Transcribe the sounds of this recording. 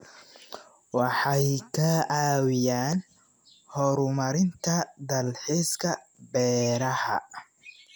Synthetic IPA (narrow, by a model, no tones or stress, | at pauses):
wɑħɑjkʰɐaːwɪjaːn | hɔɾʊmɐɾɪnt̪ʰɐd̪ɐlħiskʰɐ | bɛːɾɐhɐ̰